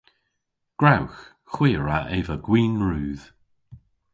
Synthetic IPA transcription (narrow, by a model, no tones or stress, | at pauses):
ɡ̥ɹawx | xwiːɹaʔevəɡ̥wiːnɹuːð̥